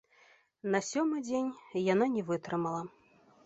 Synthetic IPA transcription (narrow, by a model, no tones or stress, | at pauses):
nɐsʲɔmɨd͡zʲenʲjananʲɛvɨt̪ɾɨmɐlˠɐ